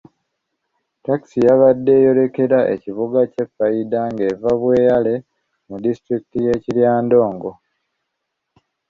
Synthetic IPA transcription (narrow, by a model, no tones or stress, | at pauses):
taki̥sijaβadːe̞ːjo̞ɾe̞ke̞ɾaʔe̞̰ciβuɡace̞fːaidaŋɡe̞vaβwe̞ːjale̞ | mudistɾiki̥tije̞ːciljaːndo̞ːŋɡo̞